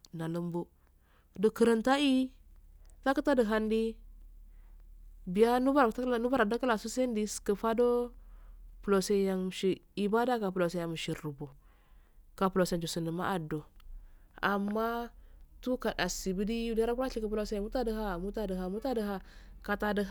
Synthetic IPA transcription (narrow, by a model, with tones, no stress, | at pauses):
na˨lə˨˦mbu˦ | də˨kə˨ɾə˨nta˦i˦ | ta˦kə˦ta˦də˨ɦa˦ndi˦ | bi˨ja˦nu˦ba˦ɾnu˦ba˦ɾa˨da˦kə˦la˨su˦se˦ndi˦skə˨fa˦do˦ | pu˨lo˨se˦ja˨ŋ˨ʃi˨ | i˨ba˦da˦ka˨pu˨lo˨se˨a˨m˨ʃi˨u˨bo˨ | ka˨pu˨lo˨se˨nd͡ʒu˨si˨nə˨ma̰˦ʔa˨do˨ | a˨mːa˦tu˦ka˨da˨si˨bi˦di˦u˨da˦ɾa˦ku˦ɾa˦i˨kə˨pu˦lo˦se˦ja˨mu˦ta˦də˨ɦa˦˨mu˦ta˦də˨ɦa˨mu˦ta˦də˨ɦa˦ka˨ta˨də˨˦